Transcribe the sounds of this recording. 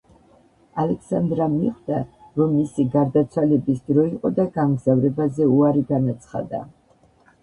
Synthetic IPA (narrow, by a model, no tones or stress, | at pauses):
alɛksand̪ɾamiχd̪a | ɾɔmːisiɡaɾd̪at̪sʰwalɛbisd̪ɾɔiqʼɔd̪aɡamɡzavɾɛbazɛuaɾiɡanat̪sʰχa̰d̪a̰